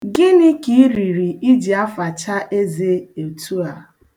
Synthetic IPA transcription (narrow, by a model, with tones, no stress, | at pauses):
ɡɪ˦nɪ˦ki˨˦ɾi˨ɾi˨i˦d͡ʒi˨a˦fa˨t͡ʃa˦ʔe˦ze˦e˨tu˦a˨